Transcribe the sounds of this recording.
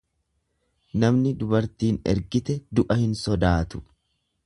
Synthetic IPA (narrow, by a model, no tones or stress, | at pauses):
nɐmnɪd̪ʊbɐɾt̪iːnɛ̰ɾɡɪt̪ɛd̪ʊʔɐhɪnsɔd̪aːt̪ʊ̥